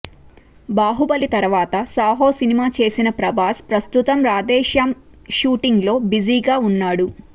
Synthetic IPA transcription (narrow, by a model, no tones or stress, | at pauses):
baːɦubɐlit̪ɐɾʋaːt̪ɐsaːɦoːsinimaːt͡ʃe̞ːsinɐpɾɐbʱaːspɾɐst̪ut̪ɐmɾaːd̪ɛːʃjaːm | ʃuːʈiŋɡlo̞ːbid͡ʒiːɡaːunːaːɽu